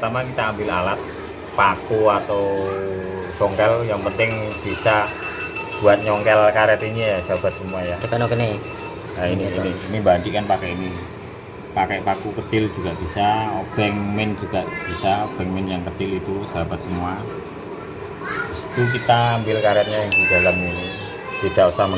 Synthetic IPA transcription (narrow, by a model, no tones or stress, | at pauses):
t̪amakit̪aːmbɪlalat̪̚ | pakuat̪aw | sɔŋkɛljaŋpənt̪ɪŋb̥isa | b̥uat̪̚ɲɔŋkɛlkaɾɛat̪inijasəɦab̥at̪̚səmuajakanokənɛ | aininiinimband̪ikanpakɛʔini | pakɛʔpakukət͡ʃɪld͡ʒuɡaʔb̥isab̥ɛŋmɛnd͡ʒuɡ̥aʔb̥isab̥ɛŋmɛnjaŋkət͡ʃɪlit̪usəɦabat̪̚səmua | usi̥t̪uk̬it̪aːmbɪlkaɾɛt̪̚ɲajaŋdid̥alamini | b̥id̥ausam